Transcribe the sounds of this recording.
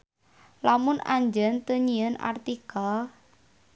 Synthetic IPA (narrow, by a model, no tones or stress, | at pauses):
lamʊnʔaɲd͡ʒənt̪əɲiəna̰rt̪ikal